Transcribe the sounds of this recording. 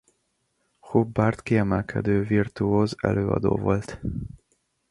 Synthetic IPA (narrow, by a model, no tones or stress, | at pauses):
hobːart̪kiɛmɛlkʰɛd̪øːvirt̪uoːzɛ̰lʔøːɒ̰d̪o̰ːvo̞lt̪